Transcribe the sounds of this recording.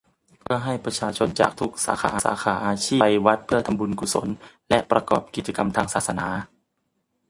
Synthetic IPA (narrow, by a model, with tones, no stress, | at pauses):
pʰɯ˥˩ɐɦa˥˩jpɾa˧t͡ɕʰaː˧t͡ɕʰo˧nt͡ɕa̰ː˨˩k̚t̪ʰu˦˥k̚sa̰ː˩˦xʰaː˩˦ʔsa̰ː˩˦xʰaː˩˦ʔaː˧t͡ɕʰiː˥˩˧jwa˦˥t̪̚pʰɯ˥˩ɐt̪ʰa˧mbu˧nku˨˩so̰˩˦n | lɛ˦˥ʔpɾa˧kɔ̰ː˨˩p̚ki˨˩t̪̚t͡ɕa˧ka˧mt̪ʰaː˧ŋsaː˨˩sa˧na̰ː˩˦